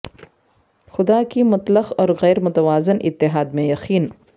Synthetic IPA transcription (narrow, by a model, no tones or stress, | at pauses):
xʊd̪aːkimʊt̪ləqɔːɾɣɛːɾmʊt̪ɐʋaːzɪnʔɪ̰t̪ːɪɦaːd̪mẽjɐqiːn